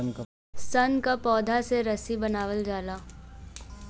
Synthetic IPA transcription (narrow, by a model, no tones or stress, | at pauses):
sɐnkapɔːd̪ʱaseɾɐsibɐnaːʋəld͡ʒaːlaː